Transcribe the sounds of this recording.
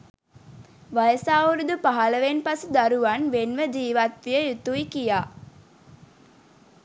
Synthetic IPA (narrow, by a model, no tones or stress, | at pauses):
ʋajəsaːuɾud̪upaɦaləʋenpasud̪aɾuʋanʋenʋəd͡ʒiːʋat̪ʋijəjut̪uikijaː